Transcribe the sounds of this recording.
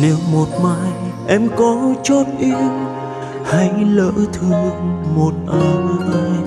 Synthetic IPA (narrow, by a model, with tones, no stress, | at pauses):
ne˨˦wmo˨˩t̚maː˧˥j | ʔɛ˧˥mkɔ˨˦t͡ɕɔ˦˥t̚ʔi˧əw | ha˧˦ŋlə̰ː˧˥t̪ʰɨ˨˩ŋmo˨˩t̚ʔaː˧jʔaː˧j